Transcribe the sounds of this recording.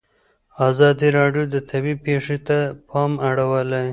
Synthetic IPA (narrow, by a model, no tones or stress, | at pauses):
ɑzɑd̪iɾɑɖjod̪ət̪ʰabipeʂet̪apʰɑmaɽawəlaj